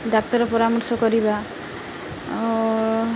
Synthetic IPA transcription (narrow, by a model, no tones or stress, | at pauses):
d̪ak̚t̪ɔɾɔpɔɾamɔɾsɔkɔɾiba